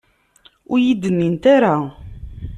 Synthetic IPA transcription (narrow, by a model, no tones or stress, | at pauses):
ʊɾjid̪ənːint̪aɾa